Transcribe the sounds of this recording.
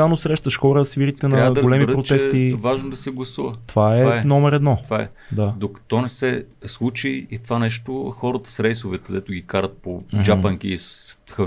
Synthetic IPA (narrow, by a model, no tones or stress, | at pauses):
anosɾɛʃt̪əʃxɔɾəsviɾit̪ɛnɐaɡ̪ɡolɛmid̪pɾott͡ʃ̪t̪ɛt̪ivaʒnod̪ɐsɛɡlˠɐsuvət̪ovaɛvaɛnɔmɛɾɛd̪nɔovaɛ̰ | d̪ad̪okɐ̥t̪ɔnɛsɛ | slˠut͡ʃiit̪ovanɛʃt̪oxɔɾət̪ə̥sɾɛjsovɛt̪ɛd̪ɛt̪ʊɡʲikaɾət̪̚pod͡ʒapəŋk̟iːsxə